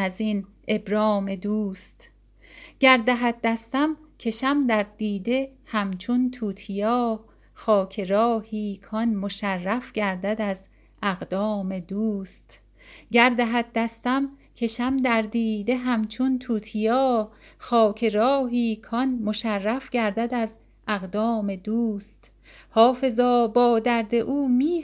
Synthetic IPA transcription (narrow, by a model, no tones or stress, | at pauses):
æzine̞bɾɒːme̞d̪uːst̪ | ɟæɾd̪æɦæd̪̚d̪æst̪æmcʰe̞ʃæmd̪æɾd̪̥iːd̪e̞hæmt͡ʃʰunt̪ʰuːt̪ʰijɒː | xɒːcʰeɾɒːhiːkʰɒnmoʃærːæfɟæɾd̪æd̪æz | æɣd̪ɒːmed̪uːst̪ | ɟæɾd̪æɦæd̪̚d̪æst̪æmcʰe̞ʃæmd̪æɾd̪iːd̪e̞ɦæmt͡ʃʰunt̪ʰuːt̪ʰijɒːxɒːcʰeɾɒːɦiːkʰɒnmo̞ʃærːæfɟæɾd̪æd̪æz | ʔæɣd̪ɒːme̞d̪uːst̪ | hɒːfe̞zɒːbɒːd̪æɾd̪e̞ʔuːmiː